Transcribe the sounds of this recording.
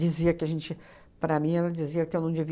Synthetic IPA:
d͡ʒiziɐkɪɐʒẽnt͡ʃɪ | pɾɐmĩɛlɐd͡ʒiziɐkɪewnɐ̃w̃d͡ʒɪvi

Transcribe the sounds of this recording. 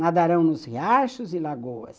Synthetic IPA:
nad̪aɾɐ̃w̃nʊsheaʃʊzɪlaɡowɐ̰s

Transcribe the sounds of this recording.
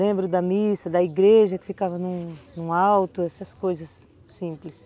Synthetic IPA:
lẽmbɾʊd̪ɐmisɐd̪ɐiɡɾeʒɐkɪ̥fikavɐnũnũawt̪ʊɛsɐskojzɐsː | ĩplɪs

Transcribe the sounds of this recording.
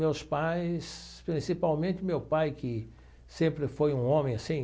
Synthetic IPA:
mewspajspɾĩsipawmẽnt̪ɪmewpajkɪ | sẽmpɾɪfojũõmẽj̃asĩ

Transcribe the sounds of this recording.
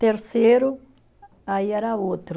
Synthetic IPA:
t̪eɾseɾu | ajaɾaot̪ɾ

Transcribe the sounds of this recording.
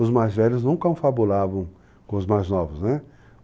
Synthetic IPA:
ʊzmajzvɛʎʊznɐ̃w̃kõw̃fabulavɐ̃w̃ | kõʊzmajznɔvʊznɛ

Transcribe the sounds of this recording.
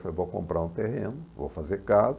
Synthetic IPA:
fewvowkõ̰mpɾaɾũt̪ehẽnʊvo̰wfazeɾkaz

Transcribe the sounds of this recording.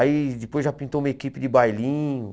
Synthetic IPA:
aid͡ʒɪpojzʒapĩnt̪oumɐekipɪdɪbajlĩɲʊ

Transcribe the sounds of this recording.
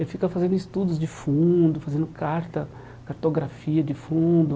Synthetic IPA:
elɪfikɐfazẽnd̪ʊist̪ud̪ʊzd͡ʒɪfũd̪ʊfazẽnd̪ʊkʰaɾt̪ɐ | kaɾt̪oɡɾafiɐd͡ʒɪfũd̪ʊ

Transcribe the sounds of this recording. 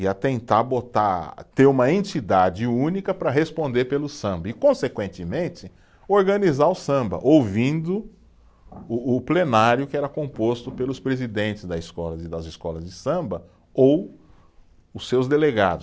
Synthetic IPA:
iɐt̪ẽnt̪aɾbot̪at̪eɾũmɐẽt͡ʃid̪ad͡ʒɪũnikɐpɾɐɦespõnd̪eɾpelʊsɐ̃mbɐɪkõsekwẽnt̪ɪmẽnt͡ʃɪ | oɾɡɐnizaʊsɐ̃mbɐ̰ʔowvĩnd̪ʊ | ʊːplenaɾjʊkɪɛɾɐkõpost̪ʊpelʊspɾezid̪ẽnt͡ʃ̪ɪzd̪ɐiskɔlɐzd̪ɐzɪskɔlɐzd͡ʒɪsɐ̃bɐ | ow | ʊsːewzd̪eleɡa̰d̪ʊ

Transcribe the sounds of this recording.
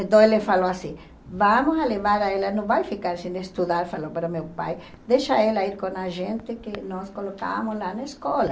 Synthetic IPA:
ẽnt̪õelefaloasĩ | vamosaleβaɾaelɐnõvajfikaɾsĩneest̪uðaɾfalopaɾamewpa̰j | d̪eʃaelɐiɾkõnaʒẽnt̪ɪkenɔskoloka̰moslanaeskɔlɐ

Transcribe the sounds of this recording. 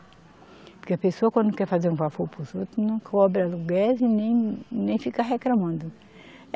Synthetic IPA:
pʊɾkeɐpesoɐkwɐ̃nd̪ʊkɛɾfazeɾũvafoɾpɾuzot̪ɾʊnɐ̃w̃kɔbɾɐluɡaɾzinẽj̃nẽj̃fikaɦeklɐ̃mɐ̃nd̪ʊ

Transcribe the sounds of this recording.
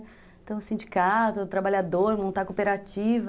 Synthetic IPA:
t̪ẽũsĩnd͡ʒikat̪ʊt̪ɾabaʎad̪oɾmõnt̪akopeɾat͡ʃivɐ

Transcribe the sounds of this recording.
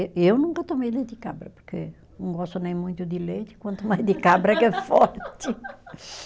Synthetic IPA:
ʔewnũŋkɐt̪omejlejt̪ɪkabɾɐpu̥ɾkḛ | nɐ̃w̃ɡɔst̪unẽj̃mũj̃t̪ud̪ilejt̪i̥kwɐ̃nt̪umajzd̪ɨkabɾɐkɛfɔɾt̪ɨ

